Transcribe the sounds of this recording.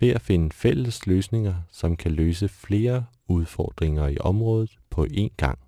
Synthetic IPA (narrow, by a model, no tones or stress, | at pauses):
ʋe̝æfe̝nəfel̰əsløːsne̝ŋɐsɒ̽mkʰæløːsəfle̝ːɐ | uð̞ˠfɒ̰ːd̥ʁeŋɐiʔɒ̽mʁɔ̽ːðˠð̞̩ˠpʰɒ̽ʔe̝̰ːnɡ̥ɑ̈ŋ̰